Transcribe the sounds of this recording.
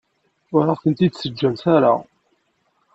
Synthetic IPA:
ʊɾaʁθənt̪id̪səd͡ʒːæmθaɾa̰

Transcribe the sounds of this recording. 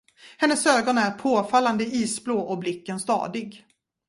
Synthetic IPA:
hɛnːəsøːɡɔnæɾpʰoːfalːand̪əiːsbloːʔɔblɪkːənst̪ɑ̰ːd̪ɪɡ

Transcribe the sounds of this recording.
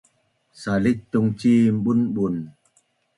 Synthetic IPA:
salik̚t̪uŋt͡ɕiːmɓunbun

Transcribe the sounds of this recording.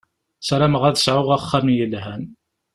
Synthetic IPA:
sɾæməʁæðəsʕʊʁæχːæmjəlɦæn

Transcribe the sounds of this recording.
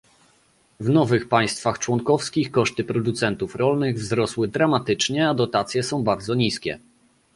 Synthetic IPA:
vnɔvɘxpaj̃st̪faxt͡ʂwɔŋkɔfskʲixkɔʂt̪ɘpɾɔd̪ut̪sɛnt̪ufɾɔlnɘɣvzɾɔswɘd̪ɾamat̪ɘt͡ʂɲɛad̪ɔt̪at̪sʲjɛsɔ̃w̃baɾd̪zɔɲiskʲɛ̰

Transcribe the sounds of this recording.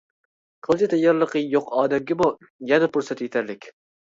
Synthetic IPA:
qʰəlˠd͡ʒɪt̪ʰɛjɑɾlˠəqəjoqʰɑːd̪ɛmɡʲɪmu | jɛnɛpʰʊɾsɛt̪et̪ʰæɾlɪkʲ

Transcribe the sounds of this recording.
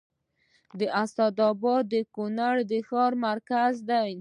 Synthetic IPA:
d̪əʔast̪ad̪ɑbɑd̪ːəkunaɽd̪əxɑɾmaɾkazd̪aj

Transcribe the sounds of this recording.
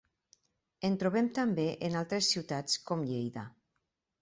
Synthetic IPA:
ent̪ɾuβɛmt̪ambeʔenalˠt̪ɾesːiwt̪at͡skɔmʎejða

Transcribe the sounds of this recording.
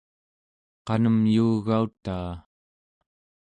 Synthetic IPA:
qɑnəmjuːɣaut̪aː

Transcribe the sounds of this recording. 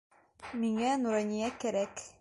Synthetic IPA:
miŋænuɾɑnʲijækæɾæk

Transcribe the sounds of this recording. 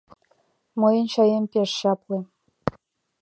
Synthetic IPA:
mɤjɤ̆nɕɑjempʲeʂɕɑplĕ

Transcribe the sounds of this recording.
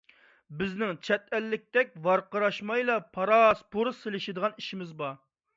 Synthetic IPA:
bɪznɪŋt͡ʃʰɛt̪̚ɛlːɪk̚ʲt̪ɛk̚ʲvɑɾqəɾɑʃmɑjlˠɑpʰɑɾɑspʰoɾselɪʃɪd̪əʁɑniʃimɪzbɑ

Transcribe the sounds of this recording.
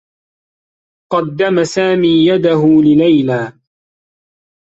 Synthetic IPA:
qɑd̪ːamasaːmiːjad̪aɦʊlɪlajlaː

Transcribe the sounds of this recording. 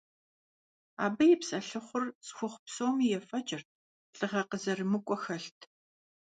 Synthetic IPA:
a̰ːbɐjɪpsʼɐɬɨχʷʊrsxʷʊχʷpsowmiːjɛfɐt͡ʃʼɪrt̚ʰ | ɬʼɨʁɐqəzɐrɨmɨkʷʼɔxɐɬtʰ

